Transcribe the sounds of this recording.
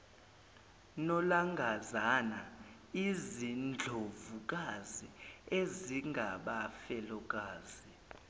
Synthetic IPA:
nɔlaŋɡʱazana | izind͡ɮʱovuk̬ʼazieziŋɡʱaɓafɛlɔk̬ʼaːzi

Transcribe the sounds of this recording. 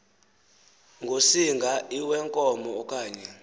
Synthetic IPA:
ŋɡʱosiŋɡʱaiwɛŋkʼɔmɔːkʼaːɲɛ

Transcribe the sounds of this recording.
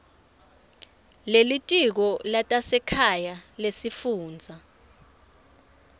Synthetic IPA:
lelitʼik̬ɔlatʼasɛkʰajalesifuːnd͡zʱa

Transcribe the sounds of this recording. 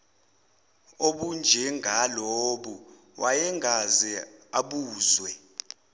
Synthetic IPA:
oɓund͡ʒʱɛŋʱaloɓu | wʔajɛŋʱazɛaɓuːzwɛ

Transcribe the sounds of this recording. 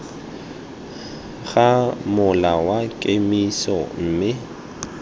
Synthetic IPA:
ɣamʊlawakʼemisɔm̩ːmɪ

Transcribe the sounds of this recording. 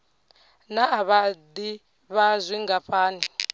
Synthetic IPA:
naːβad̪i | βazʷiŋɡapɸʼaːni

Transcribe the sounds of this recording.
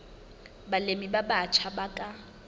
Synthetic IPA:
balemibabat͡ʃʰabakʼa

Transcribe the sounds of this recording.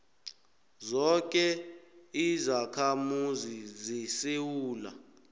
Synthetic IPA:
zɔk̬ʼɛ | izakʰamuzizisewuːla̰

